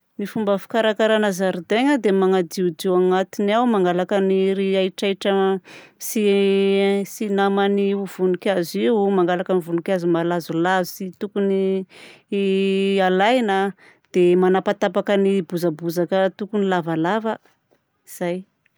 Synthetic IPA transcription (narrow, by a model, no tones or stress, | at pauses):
mifumbəfi̥kaɾakaɾanazaɾud̪eŋəd̪emaŋad̪iud͡ʒewaŋat̪inawmaŋɡalakəniɾiaiʈ͡ʂaiʈ͡ʂə | si | sinamaniuv̥unukʲaziwmaŋɡalakənivunukʲazumalazulazusit̪ukuni | alajna | d̪̥emanapat̪apakənibuzabuzakət̪ukunilavalavə | iz̥aj